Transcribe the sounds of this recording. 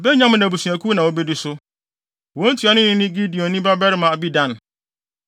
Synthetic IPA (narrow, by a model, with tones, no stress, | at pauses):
bɛ˦ɲᶣã˦m̃˨˦nã˨bu˨su˨æ˨kʰu˦nã˨ɔ˦bɛ˦dɪ˦sʊ˦ | wɔ̃˦n̩˦tʰu˨˦a˨˦nʊ̃˦nɪ̃˦nɪ̃˦ɡi˦di˨ɔ̃˨nĩ˦ba˦ba˦ɾɪ˦mã˨a˨bi˦dã˦˨n˨